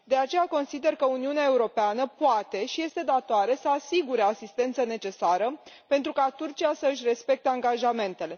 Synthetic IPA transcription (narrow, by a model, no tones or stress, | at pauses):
d̪e̞at͡ʃe̞jako̞nsid̪e̞rkəuniuneae̞uɾo̞peanəpoat̪e̞ʃije̞st̪e̞d̪at̪oaɾe̞səasiɡuɾe̞asist̪e̞nt̪səne̞t͡ʃe̞saɾəpe̞nt̪ɾukat̪urt͡ʃijasəɨʃʲre̞spe̞k̚t̪eaŋɡaʒame̞nt̪e̞le̞